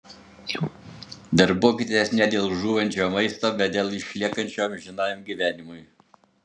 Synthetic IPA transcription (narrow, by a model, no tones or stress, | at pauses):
d̪ɐɾboːkʲit̪ʲːesnʲɛd̪ʲeːlˠʒuːʋɐnʲt͡ʃʲoːmɐɪst̪oːbʲɛt̪̚d̪ʲeːlˠɪʃʲlʲiɛkɐnʲt͡ʃʲoːmʒʲɪnɑːjʲmɡʲiʋʲæːnʲɪmʊj